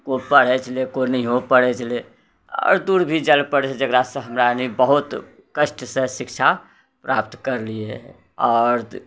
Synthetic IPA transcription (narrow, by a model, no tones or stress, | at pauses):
kopəɽ̤ɛt͡ʃʰəlekonəĩɦopəɽ̤ɛt͡ʃʰəle | ɔ̰ːɾd̪uɾbʱid͡ʒəlpəɽt͡ʃʰed͡ʒəɡɾasə̃ɦəmɾanibəɦut̪ | kəʃʈsẽsikt͡ʃʰa | pɾapt̪kəɾlie | ɔːɾ